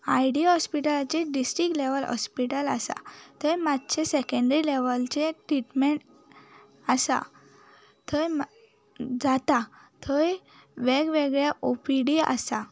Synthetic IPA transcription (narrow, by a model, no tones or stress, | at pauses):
ajɖiɦɔspiʈəlat͡ɕeɖisʈɾikleʋəlɦɔ̰spiʈəlasa̰t̪əjmat̪ːt͡ɕʰesɛkə̃ɳɖɾileʋəlt͡ɕeʈɾiʈmeɳʈ | asa̰ | t̪ʰəjm | d͡zat̪at̪ʰəj | ʋeɡʋeɡɭjaʔopiɽia̰sa